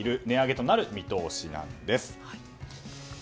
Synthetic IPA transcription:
iɾɯ̟ne̞aɡe̞t̪o̞naɾɯ̟mʲit̪o̞ːɕinã̰nd̪e̞sɨ̥

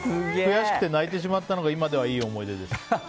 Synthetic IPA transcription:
kɨɡkɯjaɕi̥kɯ̥t̪e̞nait̪e̞ɕ̬imat̪ːanoɡaimad̪e̞β̞aiːo̞mo̞id̪e̞d̪es

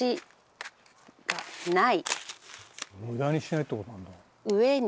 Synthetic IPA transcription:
i | anãi | mɯd̪aːɲiɕinait̪ːekot̪onãnd̪a | ɯβen

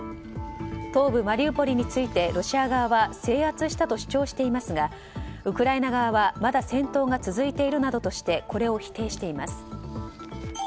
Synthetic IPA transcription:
t̪o̞ːbɯ̟maɾʲiɯːpo̞ɾʲiɲ̟it͡sɨit̪e̞ɾo̞ɕiaɡaβaβase̞ːhat͡sɨɕi̥t̪at̪o̞ɕi̥t͡ɕo̞ːɕi̥t̪e̞imasɨɡa | ɯ̟kɯ̟ɾaenaɡaβaβamad̪asẽ̞nt̪o̞ːɡat͡sɨzɨit̪e̞iɾɯ̟nad̪o̞t̪o̞ɕi̥t̪e̞ko̞ɾe̞o̞çi̥t̪e̞ːɕi̥t̪e̞imasɨ̥

